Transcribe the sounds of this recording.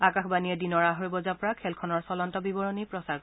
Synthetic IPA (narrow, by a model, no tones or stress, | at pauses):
akaxbanijɛdinɔɹaɦoɹibɔzapɔɹakʰɛlkʰɔnɔɹsɔlɔntɔbibɔɹɔnipɹɔsaɹk